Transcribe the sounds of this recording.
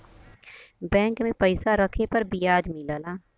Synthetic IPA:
bɛ̃ːŋkmẽpəɪsaɾɐkʰepɐɾbijaːd͡ʒ̪milaːlaː

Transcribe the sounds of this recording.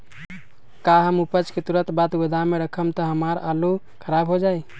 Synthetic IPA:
kaɦəmupət͡ʃket̪uɾət̪bat̪ɡəd̪ʱameɾəkʰəmt̪əɦəmaɾalu | kʰəɾabɦod͡ʒaj

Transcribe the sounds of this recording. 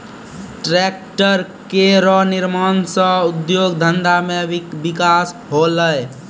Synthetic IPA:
ʈɾɛk̚ʈəɾkeɾɔniɾmansə̃ud̪joɡd̪ʱənd̪amebikasɦoləj

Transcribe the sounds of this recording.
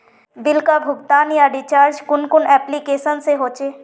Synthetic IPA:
bɪlkabʱʊɡt̪aːnjaɖɪt͡ʃaːɾd͡ʒkʊnkʊnɛːplikeːsənseɦoːt͡ʃeː

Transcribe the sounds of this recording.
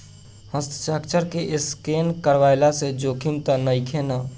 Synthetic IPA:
həst̪ʰt͡ʃaːkt͡ʃəɾkeʔɪskeːnkəɾʋaːɪlased͡ʒoːkʰɪmt̪ənəikʰena

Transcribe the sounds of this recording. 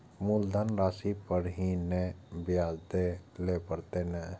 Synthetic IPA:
muld̪ʱanɾaːsipəɾɦinebɪjaːzd̪elepəɾt̪enɛ

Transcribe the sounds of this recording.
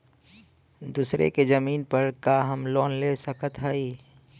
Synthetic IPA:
d̪uːsɾḛkezəmiːnpəɾkaːɦəmlɔːnlesəkət̪ɦaːiː

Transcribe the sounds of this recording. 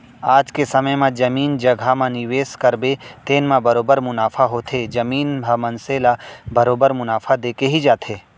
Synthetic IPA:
aːd͡ʒkesɐməjmãd͡ʒɐmiːnd͡ʒɐɡʱamãnɪʋeːskɐɾbet̪eːnmãbɐɾoːbəɾmʊnaːfʰaɦot̪ʰed͡ʒɐmiːnbʱamɐnselabɐɾoːbəɾmʊnaːfʰad̪eːkeɦid͡ʒaːt̪ʰeː

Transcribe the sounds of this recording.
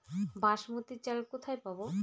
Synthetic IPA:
baʃmut̪it͡ɕalkot̪ʰajpabo

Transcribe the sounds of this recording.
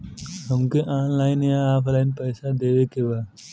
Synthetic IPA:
ɦəmkeʔãːnlaːɪnjaaːpʰlaːɪnpəɪsad̪eːʋekebaː

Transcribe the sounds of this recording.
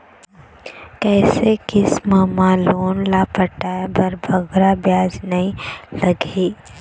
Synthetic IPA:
kɛːsekɪsmaːmãloːnlapɐʈaːbɐɾbʱɐɡɾabjaːd͡ʒnɐĩlɐɡʱeː

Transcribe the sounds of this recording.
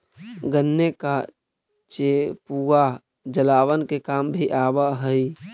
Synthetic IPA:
ɡənːeka | t͡ʃepuɡa | d͡ʒəlaːʋənkekambʱiʔaːbəɦəi

